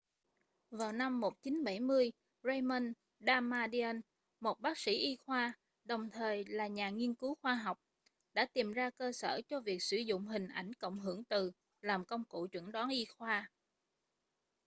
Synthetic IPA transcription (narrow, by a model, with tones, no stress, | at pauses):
vaː˨˩wna˧mːo˨˩t̚t͡ɕi˨˦nɓə̰˧˩jmɨ˧əj | zə˧jmə˧n | ɗaː˧maː˧ɗi˧ə˧n | mo˨˩t̚ɓaː˦˥k̚sḭ˧˥ʔi˧xwaː˧ | ɗə˨˩wŋ͡mt̪ʰəː˨˩jlaː˨˩ɲaː˨˩ŋi˧ənkɨ˨˦wxwaː˧ɦa˨˩wk͡p̚ | ɗa̰ː˧˥t̪i˨˩mzaː˧kəː˧sə̰ː˧˩t͡ɕɔ˧vi˨˩ək̚sɨ˧˩zʊ̰˧˨ŋ͡mɦï˨˩ŋ̟ʔa˧˩jŋ̟kə̰˧˨wŋ͡mɦɨ˧˩əŋt̪ɨ˨˩ | laː˨˩mkə˧wŋ͡mkṵ˧˨t͡ɕwə̰˧˩ŋɗɔ˨˦nʔi˧xwaː˧